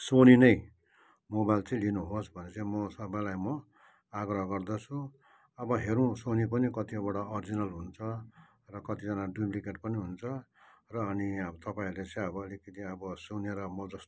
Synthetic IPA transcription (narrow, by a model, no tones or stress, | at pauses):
soninʌj | mobajlt͡sʌ̃ĩlinuɦosbʱʌnet͡sʌĩmʌsʌbalajmʌ | aɡrʌɦɡʌrd̪ʌt͡sʰũ | ʌbʌɦeɾũsonipʌnikʌt̪iʌbʌɽʌːrd͡zinʌlɦunt͡sʰʌ | rʌkʌt̪id͡zʌnaɖrimrikeʈpʌniɦunt͡sʰʌ | rʌːniʌbʌt̪ʌpaĩlet͡sʌĩʌbʌːlikʌt̪iʌbʌsuneɾʌmʌd͡zʌst̪